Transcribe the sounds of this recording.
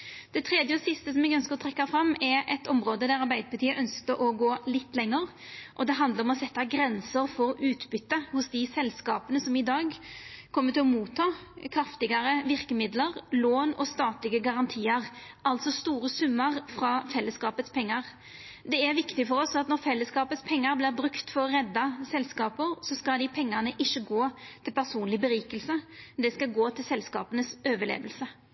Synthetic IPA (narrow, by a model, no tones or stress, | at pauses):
d̪̥ɛt̪ʰɾeːd̪jəɔsɪst̪əsɔmɛɡœnskəʁɔt̪ʰɾɛkːɑfɾɑmːɛɾɛt̪ɔmɾoːd̪əd̪æɾɑɾbæɪd̪əpɑt̪iːəʔœnskəɾʔɔɡoːlɪt̪ːlɛŋːəɾ | ʔɔd̪ɛɦɑnd̪ləɾɔmɔsɛt̪ːɑɡɾɛnsəɾfɔɾʉːt̪bʏt̪ːəhʊsd̪ɪsɛlskɑːpənəsɔmɪd̪ɑːɡkʰɔmːət̪ɪlɔmuːt̪ʰːɑːkʰɾɑft̪ɪɡɑɾəʋɪɾkəmɪd̪ləʁloːnɔst̪ɑːt̪lɪɡəɡɑɾɑnt̪ʰiːəɾʔɑlt̪sɔst̪uːɾəsʉmːəʁfɾɑfɛlːəskɑːpət̪spʰɛŋːəʁ | d̪ɛæɾʋɪkt̪ɪfɔɾɔsɑt̪nɔɾfɛlːəskɑːpət̪spʰɛŋːəɾblɪʁbɾʉkt̪fɔʁʁɛd̪ːɑsɛlskɑːpəɾsɔskɑld̪ɪpʰɛŋːəʁnəʔɪʃːəɡoːt̪ʰɪlpæʁsuːnlɪbəɾiːkəlsəd̪ɛskɑɡoːt̪ʰɪlsɛlskɑ̰ːpənəsøːʋəɭḛːʋəlsə